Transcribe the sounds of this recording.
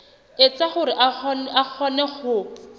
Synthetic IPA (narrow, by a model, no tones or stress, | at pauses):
et͡saχʊɾɪʔaak͡xʰɔnɛχʊ